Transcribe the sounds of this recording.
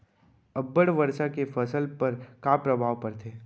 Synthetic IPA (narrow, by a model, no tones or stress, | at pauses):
ɐbːəɽʋɐɾʃakefʰɐsəlpɐɾkaːpɾɐbʱaːʋpɐɾt̪ʰeː